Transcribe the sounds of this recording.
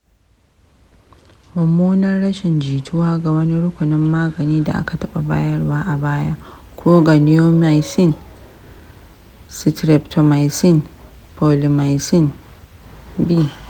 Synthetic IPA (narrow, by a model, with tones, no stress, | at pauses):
mɐ˨mːoː˦nɐ˦nɽɐ˦ʃɪ˨nd͡ʒiː˨tʰʊ˦waː˦ɡa˨wɐ˦ni˦ɽʊ˦kʷʊ˨nɪ˦mːaː˦ɡɐ˨niː˦da̰˨ʔa̰˦ka˨tɐ˦ɓa˨baː˦jɐ˦rwaː˦ʔa˨baː˦jaː˦ | kʰʷoː˦ɡa˨nɪ˦jo˦ma˨jsɪ˦n | sɪ˨tɾɛ˨ptʰo˨ma˨jsɪ˦n | pʰo˨li˨ma˨jsɪ˦n | bi˦˨